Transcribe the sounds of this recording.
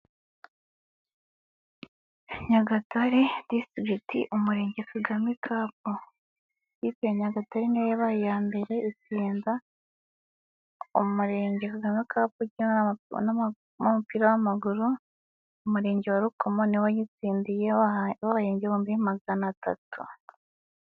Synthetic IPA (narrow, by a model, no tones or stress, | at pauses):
ɲaɡataɾedistitḭʔumuɾe̞ːɲɟe̞kʰaɡamikʰaːp̚o | jipeeɲaɡataɾeniwojaβajijaːmbe̞ɾe̞ʔit͡siːnda | umuɾe̞ːɲɟekaɡamikʰaːpuɟin | omupiɾawamaɡuɾu | umuɾe̞ːɲɟewaɾukomoniwajit͡siːndijeβaβaheːɲɟeβwoːmbijemaɡanata̰tʰṵ